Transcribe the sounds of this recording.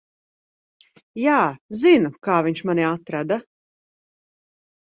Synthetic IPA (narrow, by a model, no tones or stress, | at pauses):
jaːzinukaːviɲt͡ʃmaniat̪ɾad̪a